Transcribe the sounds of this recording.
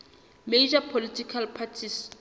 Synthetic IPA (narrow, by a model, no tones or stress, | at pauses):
med͡ʒapʰolitʰikʰalpʰatʰis